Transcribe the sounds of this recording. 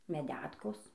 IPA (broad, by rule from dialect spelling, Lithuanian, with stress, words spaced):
mʲɛˈdʲæːtkoːs